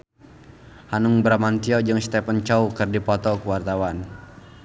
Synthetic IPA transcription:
hanuŋbɾamant̪iɔd͡ʒɨŋst̪ɛpənt͡ʃaukərdipɔt̪ɔkuwart̪awan

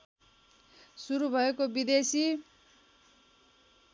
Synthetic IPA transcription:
suɾubʱʌekobid̪esi

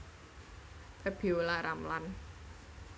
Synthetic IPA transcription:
pɛb̥iulaɾamlan

